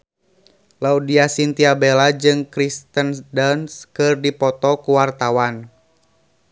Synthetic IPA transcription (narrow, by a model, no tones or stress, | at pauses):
laudiasint̪iabɛlad͡ʒɨŋkɾist̪əndanskɨrdipɔt̪ɔkuwart̪awan